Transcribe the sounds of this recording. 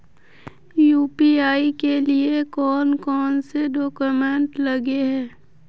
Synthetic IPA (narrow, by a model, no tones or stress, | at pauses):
juːpiaːikeliekɔːnkɔːnseɖoːkumẽɳʈləɡeɦɛː